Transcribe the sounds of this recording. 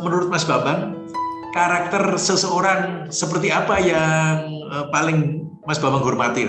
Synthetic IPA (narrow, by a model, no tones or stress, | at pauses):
mənuɾʊt̪̚masbabaŋ | kaɾak̚t̪ərsəsəoɾaŋsəpərt̪iapajaŋ | əpalɪŋ | masb̥abaŋɦɔrmat̪i